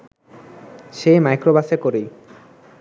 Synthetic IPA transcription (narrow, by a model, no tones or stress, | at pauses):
ʃemajkɾobaʃekoɾej